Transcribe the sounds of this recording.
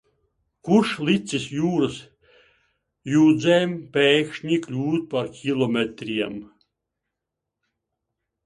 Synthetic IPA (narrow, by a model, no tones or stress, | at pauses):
kuʃlˠit̪sisjuːɾɨs | juːd̪zɛjmpʲɛjkʃɲʲiklʲuːt̪̚paɾkʲʰilˠɔmʲet̪ɾiɛm